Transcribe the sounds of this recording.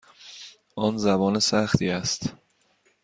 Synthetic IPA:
ʔɒnzæbɒːnesæxt̪ʰiːæst̪

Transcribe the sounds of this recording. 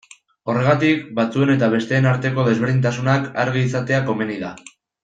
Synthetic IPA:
o̞re̞ɣ̞at̪ikbat͡sue̞ne̞t̪aβ̞e̞st̪e̞ːnaɾt̪e̞ko̞ðe̞zβe̞ɾðint̪̬asunakaɾɣiːsat̪e̞ako̞me̞niða

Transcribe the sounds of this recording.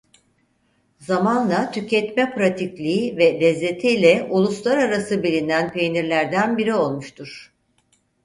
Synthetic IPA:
zamanlˠat̪ʰycɛt̪mɛpɾat̪ʰiclʲiːvɛlʲɛzːe̞t̪ʰiilʲɛulˠuslˠaɾaɾasɯbilʲinænpʰejniɾlʲæɾd̪ænbiɾio̞lˠmuʃt̪ʰuɾ̥

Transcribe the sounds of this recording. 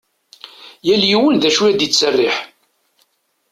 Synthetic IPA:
jæljiwənðæʃwiæd̪jit͡sːərːɪħ

